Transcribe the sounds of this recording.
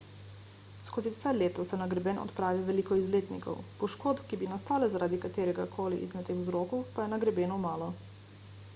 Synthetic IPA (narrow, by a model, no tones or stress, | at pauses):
skɔziwsɛleːt̪ɔsɛnaɡɾɛbɛnɔ̰t̪pɾaːʋiʋɛliːkɔizleːt̪nḭkɔ̰wpɔʃkoːt̪kibinast̪aːlɛzaɾaːd̪ikat̪eːɾɛɡakʰoːlḭʔḭzmɛt̪t̪ːeːxzɾoːkɔwpajɛnaɡɾɛbɛːnɔmaːlɔ